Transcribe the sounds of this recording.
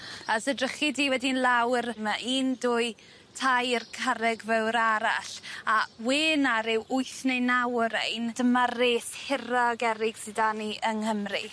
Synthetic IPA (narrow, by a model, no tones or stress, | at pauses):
asədrəχidiːwɛdinlˠawrmaʔiːnduːɨ | tʰajrkʰaɾɛɡvɛwɾaɾaɬaweːnaɾɪwʔʊjθnejnawɾejnd̥əmareːshɪɾaɡɛɾɪɡ̥sɪdaniʔəŋhəmri